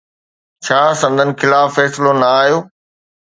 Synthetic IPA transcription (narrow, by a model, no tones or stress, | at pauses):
t͡ɕʰaːsɐ̃nd̪ʱənɪ̆kɪlaːffɛːsɪlonɐaːɦijoː